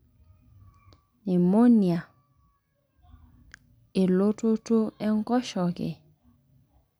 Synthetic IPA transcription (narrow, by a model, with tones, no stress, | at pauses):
nɪ˨mo˦nja˨ | e˨lo˦to˦to˦ɛ˦ŋ˦ɡɔ˦ʃɔ˨kɪ̰˨